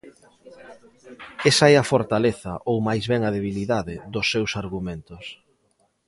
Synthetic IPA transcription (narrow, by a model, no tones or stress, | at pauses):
esɐɛɐfoɾt̪aleθɐʔowmajzβɛŋɐðeβ̞iliðaðɪðʊsːewsaɾɣumẽnt̪ʊs